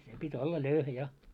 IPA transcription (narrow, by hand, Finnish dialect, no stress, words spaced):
se pitʲ olːɑ løyhæ jɑ